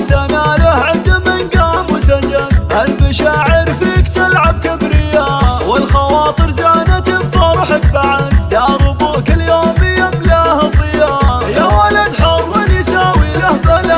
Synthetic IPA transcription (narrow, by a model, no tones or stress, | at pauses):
t̪anaːlahʕɪnd̪mɪnɡaːmwʊsad͡ʒazʔalmaʃaːʕɪɾfikt̪alʕab̚kabɾɪjːawɪlxɑwɑːt̪ˤɨɾzaːnat̪ɪbt̪ˤɑɾˤħakbaʕad̪laʔɾʊb̪ˤuːkɪljoːmɪjamlahɑt̪ˤɪjajawalad̪ħalwɪnjsaːwilahbala